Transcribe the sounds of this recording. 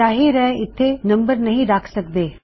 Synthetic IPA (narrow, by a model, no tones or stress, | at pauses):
aːɦiɾɛɦɪt̪ʰːenɐ̃mbəɾnɐɦĩɾaːkʰsɐkd̪eː